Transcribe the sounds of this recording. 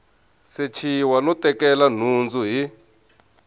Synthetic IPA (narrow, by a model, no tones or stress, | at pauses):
set͡ʃʰiwanɔtɛkɛlan̤und͡zuɦi